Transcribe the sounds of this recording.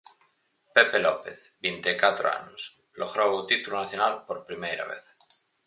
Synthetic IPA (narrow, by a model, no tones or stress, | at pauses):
pepelopeθbint̪ekat̪ɾoa̰nos | loɣɾowut̪it̪ulonaθjonalpoɾpɾimejɾa̰βḛθ